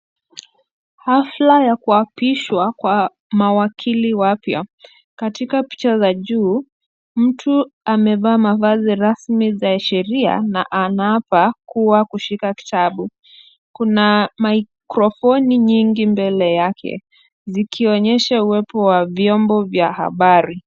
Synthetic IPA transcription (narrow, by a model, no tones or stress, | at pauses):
haflajakuapiʃwakwa | mawakʰiliwapja̰ | katikapi̥t͡ʃazaʄuː | m̩tʰuamɛvaːmavaziɾasmizaʃɛɾia̰na̰ʔanapakuwakuʃikaki̥taɓu | kunamaikɾɔfɔniɲiŋɡimbɛlɛjakʰɛ̰ | zikʰiɔɲɛʃauwɛpɔwavjɔmbɔvjaha̰ɓaɾi